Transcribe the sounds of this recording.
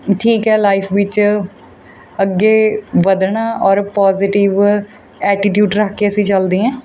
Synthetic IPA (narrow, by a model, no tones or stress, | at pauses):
ʈʰiːkɦɛːlaːɪpʰʋɪt͡ʃ | əɡːeːʋəd̪ɳaːʔɔːɾpɔːzɪʈɪʋ | ɛːʈɪʈjuːɖɾəkʰkeəsĩːt͡ʃəld̪iːɛ̃ː